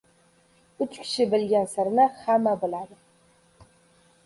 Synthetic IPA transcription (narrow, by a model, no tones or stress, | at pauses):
ʊt͡ʃkʲʰɪ̥ʃɪbɪlɡʲansɪɾnɪhamːabolad̪ɨ